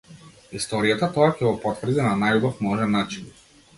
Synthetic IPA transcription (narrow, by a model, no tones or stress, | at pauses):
ist̪ɔɾijat̪at̪ɔacɛɡɔpɔt̪vr̩d̪inanajubafmɔʒɛnːat͡ʃin